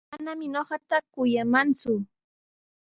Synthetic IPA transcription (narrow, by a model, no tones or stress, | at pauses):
manamɪɲoɢɑt̪akʊjamant͡sʊ